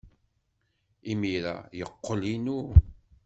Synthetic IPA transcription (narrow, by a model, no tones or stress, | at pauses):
imiɾa̰jəqːəlinu